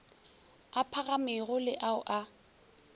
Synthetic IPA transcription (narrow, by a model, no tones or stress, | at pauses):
apʰaɣamɪɣʊlɪʔaʊʔa